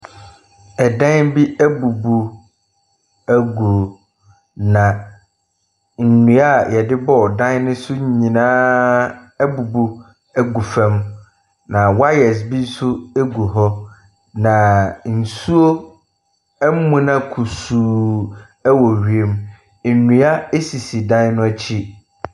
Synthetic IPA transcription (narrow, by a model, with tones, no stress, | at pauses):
ɛ˨dã˦nbi˦ʔæ˦bu˨bu˨ | æ˦ɡu˨ | nã˨ | n̩˨nũ˨˦a˦jɛ˨dɪ˦bɔ˦˨dã˦nnɪ̃˦sʊ˦ɲ˦ɲĩ˨nãː˦ | æ˦bu˨bu˦ | æ˦ɡu˨fɛ̃˦m | nã˨wa˦jɛ˨s̬bĩ˦n̩˦sʊ˦e˦ɡu˨ɦɔ˦ | nã˨n̩˨su˦o˦ | m̩˦mũ˨nã˦kʰu˨suː˨ | ɛ˦wɔ˨ɥi˨e˦m | n̩˨nũ˨˦a˦e˦si˨si˨dã˦n˦nʊ̃˦æ˦t͡ɕʰi˦